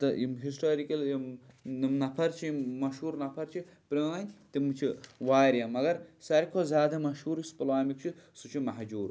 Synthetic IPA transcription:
t̪ɐimɦisʈoːɾikɐlimnimnɐpʰɐɾt͡ʃʰimɐʃɦuːɾnɐpʰɐɾt͡ʃʰi | pɾiaːnʲt̪imut͡ʃʰiʋaːɾʲjɐmɐɡɐɾsɐɾʲkʰozʲaːd̪ɐmɐʃuːɾispɐlaːmikt͡ʃʰisut͡ʃʰimɐɦd͡ʒuːɾ

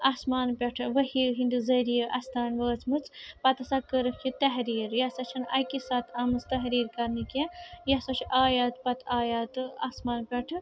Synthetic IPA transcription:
aːsmaːnpʲɐʈʰɨʋəhiɦind̪ɨzɐɾijəʔɐst̪ʰaːnʋəːt͡sʰmɨt͡sʰpɐt̪ɐsakəɾɨfʲt͡ʃʰit̪ɐɦɾiːɾjɐsɐt͡ʃʰɐnɐ̰kisat̪ʰɐmɨzt̪ɐɦɾiːɾkɐɾnikʲejɐsɐt͡ʃʰiʔaːjaːt̪pɐt̪aːjaːt̪ɨaːsmaːnpʲɐʈʰɨ

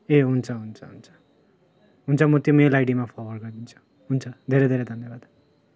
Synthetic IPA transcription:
eɦunt͡sʰʌɦunt͡sʰʌɦunt͡sʰʌ̥ | ɦunt͡sʰʌmʌt̪jomelajɽimapʰʌwʌrɡʌrd̪int͡sʰu̥ | ɦunt͡sʰʌd̪ʱeɾed̪ʱeɾed̪ʱʌnːjebad̪̥

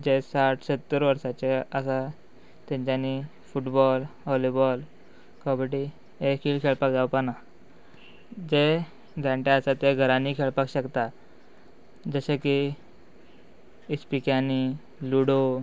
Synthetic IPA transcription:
d͡ʑesaʈʰsət̪ːəɾʋəɾsat͡ɕeəsa | t̪ɛ̃ɲt͡ɕani | fuʈbɔlɦɔlibɔl | kɔbəʈi | ekiːlkʰeɭpakd͡zawpana | d͡ʑe | d͡zʱãɳʈaəsat̪eɡʱəɾãniːkʰeɭpakɕəkt̪a | d͡zəɕeki | ispikjani | luɽo

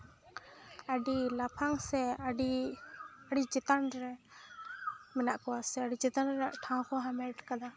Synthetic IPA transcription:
aɖilapʰaŋsɛɖi | aɽid͡ʒɛt̪anɾɛ | mɛnaʔkɔwasɛaɖid͡ʒɛt̪anɾɛaʔʈʰãw̃kʰɔɦamɛʈkad̪a

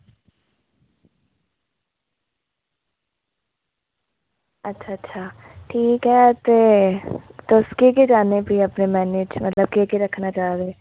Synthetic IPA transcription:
ɐtːʃʰaɐtːʃʰa | ʈʰiːkɦɛt̪e | d̪oːskeked͡ʒaːnebʱiɐpnemɛːneːd͡ʒmɐt̪ləb̚keːkeɾɐkʰnat͡ʃaːɾeː

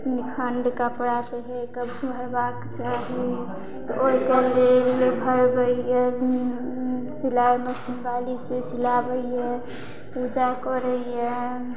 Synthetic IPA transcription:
nikʰəɳɖkapəɽat̪eɦekəbbʱəɾbakt͡ʃaɦi | t̪ɔʔoikelelbʱəɾbəjeni | silaemesimbalisesilabəije | pud͡ʒakɔɾəije

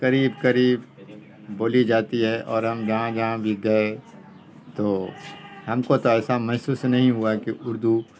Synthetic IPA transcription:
kɐɾiːbkɐɾiːb | boːlid͡ʒaːt̪iɦɛʔɔːɾɦɐmd͡ʒɐɦãd͡ʒɐɦãbʱiɡɐe | t̪oːhɐmkot̪oɛːsamɛɦsuːsnɐɦĩɦuakiʊɾd̪u

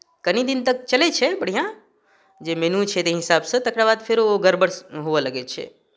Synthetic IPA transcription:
kənid̪int̪ək̚t͡ʃəlet͡ʃʰɛbəɽ̤ijã | d͡ʒemenũt͡ʃʰɛt̪eɦɪsabsə̃t̪əkɾabad̪pʰeɾooɡəɾbəɽsɦoʋeləɡɛt͡ʃʰɛ̰

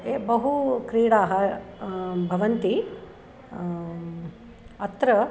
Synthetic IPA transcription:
ebɐɦukɾiːɽaːɦɐ | bʱɐʋɐnt̪i | ɐt̪ɾɐ

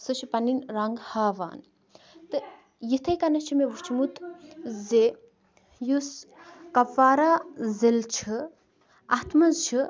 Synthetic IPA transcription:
sɨʃʰipɐninɾaŋɡhaːʋa̰ːn | t̪ɨ | jit̪ʰɐjkɐnɐt͡ʃʰimeʋut͡ʃʰimut̪ʰze | juskɐfaːɾaːzilt͡ʃʰɨ | ɐt̪ʰmɐzt͡ʃʰi

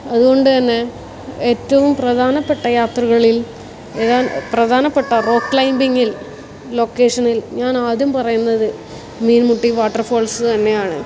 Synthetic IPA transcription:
ɐðuɣo̞ɳɖɨt̪ɐnːe̞ | eːtːɐʋumprɐd̪ʱaːnɐpːeʈːɐjaːt̪rɐɣɐɭil | eðaːprɐd̪ʱaːnɐpːeʈːɐro̞ːkːɭɐjmbiŋːil | lo̞kːe̞ːʂɐnilɲaːnaːd̪ʱjɐmpɐrɐjunːɐðɨ | miːnmuʈːiʋaːʈːɐrfoːlsɨt̪ɐnːe̞jaːɳɨ̰

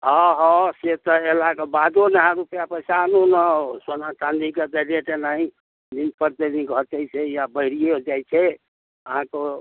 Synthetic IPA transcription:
əɦɔ̃set̪ɔelakebad̪onəɦãɾupjapəisanunəsonat͡ʃãnd̪iked̪əleʈenaɦĩ | lik̚pəɾt̪elikɦɔt͡ʃajt͡ʃʰɛjabəɪɾijeɦod͡ʒajt͡ʃʰɛ | əɦãke

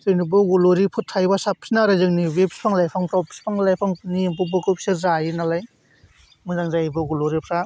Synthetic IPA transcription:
zɯnibɯɡuloɾipʰɯtʰːajbasap̚ʰinaɾɯzɯŋniwep̚spʰaŋlajpʰaŋpɾɔp̚ʰsi̥pʰaŋlajpʰaŋnimpʰɯbɯkɯpsɯɾzajinalaj | mɯzaŋzajbɯɡuloɾipʰɾa

